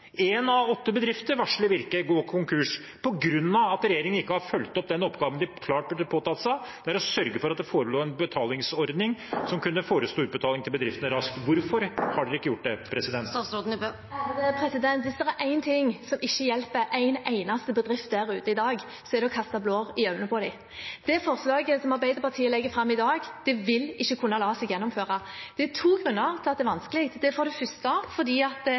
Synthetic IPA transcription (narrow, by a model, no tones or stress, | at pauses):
eːnɑʋɔt̪ːəbəd̪ɾɪft̪əɾʋɑʂɭɪʋɪɾkəɡoːkʰʊŋkʰʉʂ | pʰɔɡɾʉnːɑɑt̪ɾɛjeːɾɪŋənɪkːəhɑɾfœlt̪ɔp̚d̪ɛnɔpːɡɑːʋənd̪ɪkʰlɑːʈ̚bɪpʰoːt̪ɑt̪sæɪd̪̥ɛæɾɔsœɾɡəfɔɾɑt̪̚d̪ɛfoːɾəloːɛnbət̪ʰɑːlɪŋsɔɾd̪nɪŋsɔmkʰʉnːəfoːɾəsluːʉt̪bət̪ʰɑːlɪŋnɪbəd̪ɾɪft̪ənəɾɑskt̪ʋʊɾfɔɾhɑɖʉɪkːəjʊʈ̚ːd̪ɛpʰɾɛsɪd̪ɛnt̪t̪ɑːsɾoːd̪n̩ | pʰɾɛsɪd̪ɛnt̪ʋɪsd̪ɛɾæɾʔæɪnt̪ʰɪŋsɔmɪçːəjɛlpəʔæɪnæɪnɑst̪əbəd̪ʁɪft̪̚d̪æʁʉːt̪əɪd̪ɑːɡ | sɔɛɾd̪ɛɔkʰɑst̪ɑbloːʁɪœʉnəpʰɔd̪æɪ | d̪̥ɛfɔʁslɑːɡəsɔmɑʁbæɪd̪əpɑt̪ʰiːəlɛɡːəfɾɑmːɪd̪ɑːɡd̪̥ɛʋɪlɪçːəkʰʊnːɑlɑːsɛɡjɛnːɔmføːʁɑ | d̪̥ɛt̪ʰuːɡʁʉnːɑɾt̪ɪlɑt̪d̪ɛæʋɑnskəlɪkt̪d̪ɛfɔːʁd̪ɛfʏst̪ɑfɔd̪iːɑt̪̚